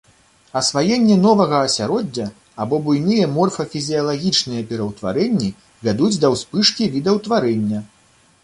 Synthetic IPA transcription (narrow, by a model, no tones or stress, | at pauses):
ɐsvajɛnʲːɛnɔvɐɣɐːsʲaɾɔd͡zʲːɐ | abɔbujnɨjɐmɔrfɐfʲizʲijɐlˠaɣʲit͡ʂnɨjɐpʲɛɾɐwt̪va̰ɾɛnʲːi | vʲad̪ud͡zʲd̪ɐwspɨʂkʲivʲid̪ɐwt̪vaɾɛnʲːɐ